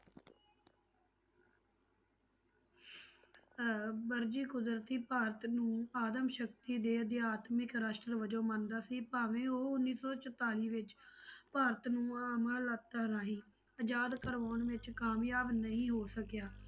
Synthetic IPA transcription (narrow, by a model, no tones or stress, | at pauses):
bəɾd͡ʒiːkʊd̪ɾət̪iːpaːɾət̪nũːaːd̪əmʃək̚t̪iːd̪eːəd̪ɪjaːt̪mɪkɾaːʃʈɾəʋəd͡ʒoːmənd̪aːsiːpaːʋẽːoːʊnːiːsɔːt͡ʃət̪aːliːʋɪt͡ʃpaːɾət̪nũːaːməlːət̪ːaːɾaːɦiː | əd͡ʒaːd̪kəɾʋaːnʋɪt͡ʃkaːmjaːbnəĩːɦoːsəkjaː